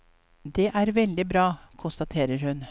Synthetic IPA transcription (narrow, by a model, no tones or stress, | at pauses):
d̪ɛʔæːɾʋɛld̪ɪbɾɑːkʰʊnst̪ɑt̪ʰeːɾəɾhʉn